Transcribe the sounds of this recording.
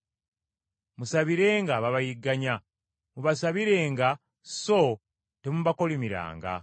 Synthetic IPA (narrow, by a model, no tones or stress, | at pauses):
musaβiɾe̞ːŋɡaβaβajiɡaɲa | muβasaβiɾe̞ŋɡa | so | temuβako̞limiɾa̰ːŋɡa̰